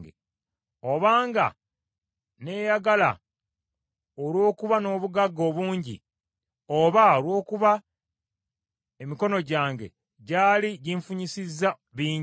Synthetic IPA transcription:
ɡḛ | o̞βaːŋɡa̰ | ne̞ːjaɡala̰ | olwo̞ːkuβano̞ːβuɡaɡːo̞ːβuːɲɟḭ | oβaolwo̞ːkuβa | emiko̞no̞ɟaːŋɡe̞̰ | ɟaːliɟiɱfuɲisizːa | βiːɲ

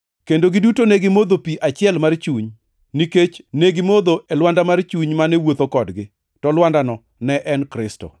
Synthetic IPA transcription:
kendoɡɪdutonɛɡɪmod̪opiʔat͡ʃɪɛlmart͡ʃuɲ | niket͡ʃneɡɪmod̪oʔelwandamart͡ʃuɲmanɛwot̪okɔdɡɪ | tɔlwandanɔ | nɛʔɛnkɾɪstɔ̰

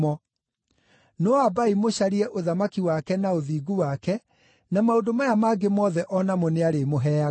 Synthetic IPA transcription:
ɔ | nɔabaimoɕaɾiɛʔoðamakiwakɛnaoðiːɡuwakɛ | namaondomajamaɡemɔːðɛʔɔnamɔneaɾemoɦɛa

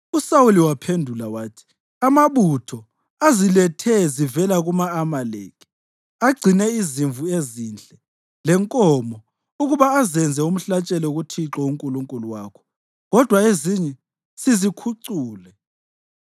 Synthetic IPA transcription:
usawuliwapʰendʱulawaːtʰi̥ | amaβutʰɔ | azilɛtʰɛzivɛlaɣumaːmalḛːkʰi̥ | aɡ͡ǀʱinɛiziɱvueziːnt͡ɬʼɛ | lɛŋkʼɔmɔ | uɣuβaːzɛnd͡zʱɛum̩ɬat͡ʃʼɛlɛuɣutʰiǁɔuŋkʼuluŋkʼuluwakʰɔ̥ | ɣɔd̥ʱwaeziɲɛ | sizikʰuǀuːlɛ

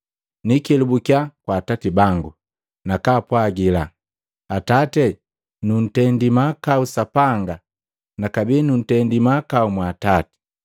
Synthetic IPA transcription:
nikɛlubukjakwaːtatibaŋɡu | nakaːpwaɡila | atatɛ | nun̩tɛndimakausapaŋɡa | nakabiːnun̩tɛndimakaumwaːtati̥

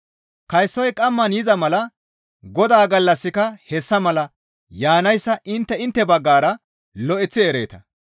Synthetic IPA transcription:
kɐjsːɔjkʼɐmːɐnjɪzɐmɐlɐ | ɡɔd̪aːɡɐlːɐsːɪkɐhɛsːɐmɐlɐ | jaːnɐjsːɐʔɪnt̪ːɛɪnt̪ːɛbɐɡːaːɾɐ | lɔʔɛt͡sːɪɛɾḛːt̪ɐ̥

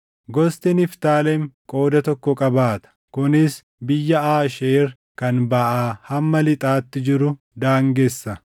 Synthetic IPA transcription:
ɡɔst̪ɪnɪft̪aːlɛmkʼo̞ːd̪ɐt̪ɔkːɔkʼɐbaːt̪ɐ̥kʊnɪs | bɪjːɐaːʃeːɾ | kɐnbɐʔaːhɐmːɐlɪt̪ʼaːt̪ːɪd͡ʒɪɾʊ | d̪aːŋɡɛsːɐ

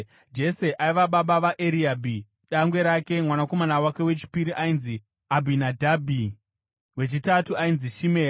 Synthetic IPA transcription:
d͡ʒe̞se̞ʔaiʋaɓaɓaʋaʔeɾiabʱi | ɗaŋɡwe̞ɾake̞mwanako̞manawake̞we̞t͡ʃi̥piɾiʔainzi | abʱinadʱabʱi | we̞t͡ʃitatuainziʃimeːa

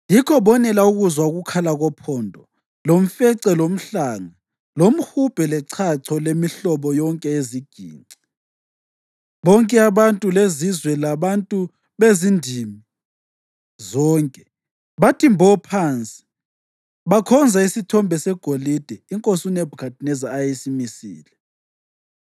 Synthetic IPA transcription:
jikʰɔβɔnɛlauɣuzwauɣukʰalaɣɔpʰɔːndʱɔ | lom̩fɛǀɛlom̩ɬaːŋa | lom̩hub̥ʱɛlɛǀʰaǀʰɔlemiɬɔβɔjɔŋkʼɛeziɡ̥ʱḭːnǀi̥ | βɔŋkʼɛaβantʼulezizwɛlaβantʼu | βezindʱimi | zɔːŋkʼɛ | βatʰimbʱɔpʰant͡sʼi̥ | βakʰɔnd͡zʱaisitʰɔmbʱɛsɛɡ̥ʱolid̥ʱɛiŋkʼosunɛbʱukʰat̚ʰʼnɛzaːjisimisḭːlɛ

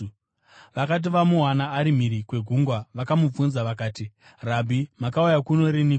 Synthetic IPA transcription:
ʋakat̬iʋamuɦanaːɾimiɾikwe̞ɡʱuŋɡwaʋakamub͡vunzaʋakaːti | rabʱimakaujakuno̞ɾinik

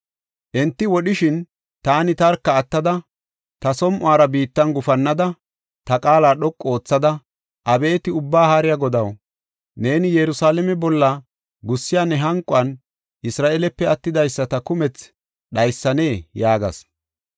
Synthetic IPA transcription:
ʔɛnt̪ːɪwɔɗɪʃɪn | t̪aːnɪt̪ɐɾkːɐːt̪ːɐd̪ɐ | t̪ɐsɔmʔʊaːɾɐbiːt̪ːɐnɡʊfɐnːɐd̪ɐ | t̪ɐkʼaːlaːɗɔkʼːo̞ːt͡sːɐd̪ɐ | ʔɐbe̞ːt̪ɪʊbːaːhaːɾɪjaɡɔd̪ɐw | ne̞ːnɪjɛɾʊsaːlɛmɛbɔlːɐ | ɡʊsːɪjaːnːɛɦɐŋkʼːʊɐn | ʔɪsɾaːʔelɛpːɛɐt̪ːɪd̪ɐjsːɐt̪ɐkʊmɛt͡s | ɗɐjsːɐne̞ːjaːɡɐ̰s

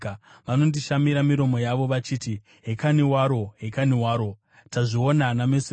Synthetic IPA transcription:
ʋano̞ndiʃamiɾamiɾo̞mo̞jaʋo̞ʋat͡ʃiːti | ɦekaniwaɾo̞ɦekaniwaːɾo̞ | taʐio̞nanamese

